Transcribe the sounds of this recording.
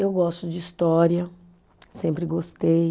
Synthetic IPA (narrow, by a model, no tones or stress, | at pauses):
ewɡɔst̪ʊd͡ʒɪist̪ɔɾiɐ | sẽmpɾɪɡost̪ej